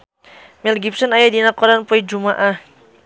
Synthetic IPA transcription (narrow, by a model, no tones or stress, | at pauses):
mɛlɡip̚sɔnajadinakɔdanpɔid͡ʒumaʔa